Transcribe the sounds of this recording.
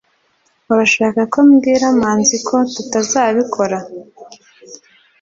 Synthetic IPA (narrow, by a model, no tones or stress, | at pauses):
uɾaʃaːkakomɡiːɾamaːnzikʰo̞tutazaːβikʰo̞ɾa